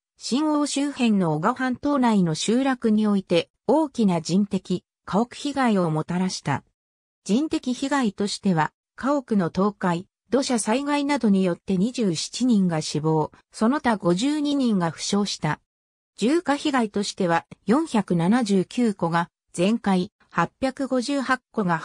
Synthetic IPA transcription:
ɕĩŋɡoːɕɨːhẽ̞nːo̞ːɡahãnt̪o̞ːnaino̞ɕɨːɾakɯ̟ɲ̟io̞it̪e̞ | o̞ːkʲinad͡ʑĩnt̪e̞kʲi | kʰaokɯ̟̥çiɡaio̞mo̞t̪aɾaɕi̥t̪a̰ | d͡ʑĩnt̪e̞kʲiçiɡait̪o̞ɕi̥t̪e̞βa | kao̞kɯ̟no̞t̪o̞ːkai | d̪o̞ɕasaiɡainad̪o̞ɲ̟ijo̞t̪ːe̞ɲ̟iʑɨːɕi̥t͡ɕiɲ̟ĩŋɡaɕibo̞ːso̞no̞t̪aɡo̞ʑɨːɲ̟iɲ̟ĩŋɡaɸɯ̟̥ɕo̞ːɕi̥t̪a | d͡ʑɨːkaçiɡait̪o̞ɕi̥t̪e̞β̞ajõ̞ɰ̃çakɯ̟nanaʑɨːkʲɨːko̞ɡa | z̥ẽ̞ŋkai | hapʲːjakɯ̟ɡo̞ʑɨːhakːo̞ɡa

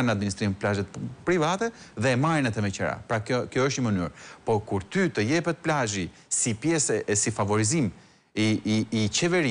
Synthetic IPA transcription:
nəad̪̚minist̪ɾimplaʒɛt̪pɾivat̪ɛðɛmajnɛt̪ɛmɛt͡ɕəɾa̰pɾakjɔəʃt̪ɲəməny̰ɾpɔkuɾt̪yt̪əjɛpɛt̪̚plaʒi | sipjɛsɛsifavɔɾizim | iːt͡ɕɛvɛɾi

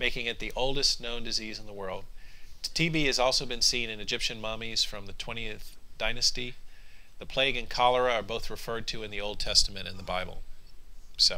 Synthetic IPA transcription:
meɪkɪ̃ŋɨt̪̚ðiʔoʊlˠdɨsnõʊ̃ndɨziz̃n̩ðəwɜ˞lˠd̥̚tʰibiɨzɔlˠsoʊbɨ̃nsĩnɨ̃nɨd͡ʒɪpʃɨ̃nmɑmiz̥fɹʌ̃mðɨtʰw̥ɛ̃ɾ̃iɨθd̥ãɪ̃nɨsti | ðɨpʰl̥eɪɡɨ̃nkʰɑlˠə˞ɨə˞boʊθɹɨfɜ˞d̚tʰɨɨ̃nðioʊlˠd̚tʰɛstəmɨ̃ɾ̃ɨ̰̃nðəbaɪbl̩ˠ | soʊ

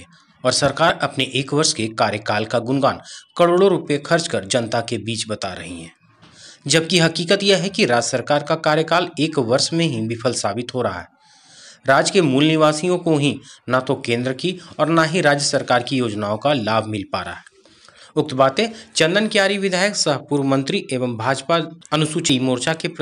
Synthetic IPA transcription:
ɔːɾsɐɾkaːɾɐpneʔeːkʋɐɾʃkekaːɾjəkaːlkaɡʊnɡaːnkɐɽoːɽoɾʊpjexʰɐɾt͡ʃkəɾd͡ʒɐ̃nt̪akebiːt͡ʃbɐt̪aɾɐ̰ɦḭɦɛ̰̃ː | d͡ʒɐb̚kiɦɐkiːkət̪jeɦɛkiɾaːd͡ʒəsəɾkaːɾkakaːɾjəkaːleːkʋɐɾʃmẽɦibɪfʰəlsaːbɪt̪ɦoɾɐɦa̰ɦɛː | ɾaːd͡ʒkemuːlnɪʋaːsijõkoɦinat̪okẽːnd̪ɾəkiɔːɾnaɦiɾaːd͡ʒjəsəɾkaːɾkijoːd͡ʒnaːõkalaːbʱmɪlpa̰ːɾa̰ɦɛː | ʊk̚t̪baːt̪ẽt͡ʃɐ̃nd̪ənkjaːɾiʋɪd̪ʱaːjəksɐɦpuːɾʋəmə̃nt̪ɾiʔeːʋəmbʱaːd͡ʒpaɐnʊsut͡ʃimoːɾt͡ʃakep

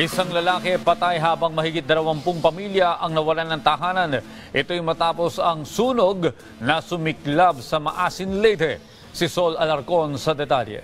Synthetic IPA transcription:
ʔɪsaŋlɐlaːkɛpɐt̪ajɦaːbɐŋmɐhiɡɪt̪̚d̪ɐlɐwampʊŋpɐmiljɐʔɐŋnɐwɐlanɐŋt̪ɐɦaːnɐn | ʔɪt̪ojmɐt̪aːpo̞sɐŋsuːnoɡ | nɐsʊmɪklab̚sɐmɐʔaːsɪnlɛjt̪ɛ | sɪso̞lɐlɐɾko̞nsɐd̪ɛt̪aljɛ̰

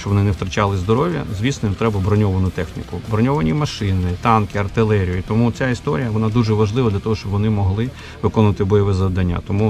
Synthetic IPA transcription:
t͡ʃɔbʋɔnɪnewt̪ɾɐt͡ʃɑlˠɪzd̪ɔɾɔʋʲjɐ̰zʲʋʲisnɔjʲimt̪ɾɛbɐbɾɔnʲɔʋɐnʊt̪ɛxnʲḭkʊbɾɔnʲɔʋɐnʲimɐʃɪnɪt̪ɑnkɪɐrt̪ɪlˠɛɾʲijʊit̪ɔmut͡sʲaist̪ɔɾʲijɐʋɔnɑd̪uʒɛʋɐʒlˠɪʋɐd̪lʲɐt̪ɔɦɔʃt͡ʃɔbʋɔnɪmɔɦlˠɪ | ʋɪkɔnʋɐt̪ɪbɔjɔʋɛzɐʋd̪ɐnʲːa̰t̪ɔmu

